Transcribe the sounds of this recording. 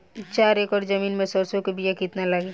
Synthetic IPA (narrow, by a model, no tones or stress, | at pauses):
t͡ʃaɾekɔɾd͡ʒəminmẽsɔɾsokebʱijakit̪nalaɡi